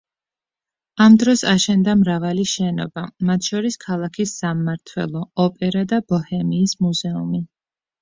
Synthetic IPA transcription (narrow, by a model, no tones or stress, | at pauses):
amd̪ɾɔsaʃɛnd̪amɾavaliʃɛnɔ̰bamat̪ʰʃɔɾiskʰalˠakʰisːamːaɾt̪ʰwɛ̰lˠɔɔpʼɛɾad̪ab̥ɔhɛmiːsmuzɛumi